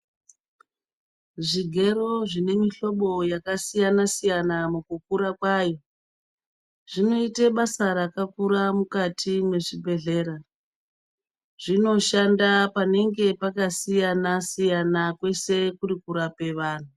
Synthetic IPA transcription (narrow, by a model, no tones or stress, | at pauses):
ʐiɡʱe̞ɾo̞ʐine̞miɬo̞ɓo̞jakasijanasijanamukukuɾakwajo̞ | ʐino̞iteɓasaɾakakuɾamukatʰinwe̞ʐibʱe̞ɮe̞ːɾa | ʐino̞ʃandapane̞ŋɡe̞pakasijanasijanakwe̞se̞kurikuɾape̞ʋaːn̤u